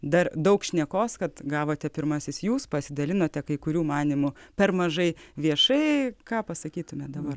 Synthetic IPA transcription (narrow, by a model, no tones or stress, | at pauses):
d̪ɐrd̪ɐʊkʃʲnʲɛkoːskɐt̪ɡɑːʋoːt̪ʲɛpʲɪɾmɐsʲɪsjuːspɐsʲɪd̪ɐlʲɪnoːt̪ʲɛkɐɪkʊɾʲuːmɑːnʲimʊpʲɛrmɐʒɐɪʋʲiɛʃɐɪkɑːpɐsɐkʲiːt̪ʊmʲɛd̪ɐbɐr